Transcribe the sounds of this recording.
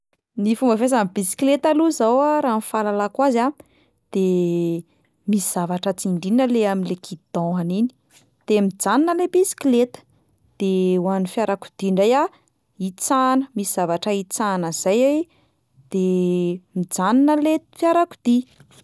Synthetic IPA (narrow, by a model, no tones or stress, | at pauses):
nifumbafes̬ambisi̥klet̪aluzawaɾanfalalakwaza | d̪̥e | misiz̥avaʈ͡ʂat͡siɳɖ͡ʐinəleaminlekʰid̪̥ɔ̃anini̥ | d̪̥emid͡zaninəlebisi̥klet̪ə̥ | d̪̥ewanifjaɾaku̥d̪̥iɳɖ͡ʐaja | it͡sanəmisiz̥avaʈ͡ʂəit͡sanəz̥ajaj | d̪̥emid͡zaninəlefjaɾaku̥d̪̥i